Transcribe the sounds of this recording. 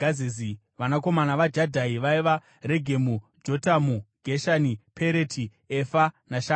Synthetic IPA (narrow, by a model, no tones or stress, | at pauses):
azizi | ʋanako̞manaʋad͡ʒadʱaiʋaiʋa | re̞ɡʱe̞mu | d͡ʒo̞tamuɡʱeʃanipʰeɾetʰi | efanaʃa